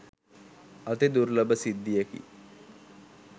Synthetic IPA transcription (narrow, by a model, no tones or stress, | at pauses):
ɐt̪ed̪uɾləbəsid̪ːijekḭ